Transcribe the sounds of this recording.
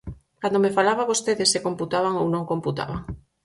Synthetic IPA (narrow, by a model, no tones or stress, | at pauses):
kand̪omefalaβaβost̪eðesekomput̪aβaŋownõŋkomput̪a̰βa̰ŋ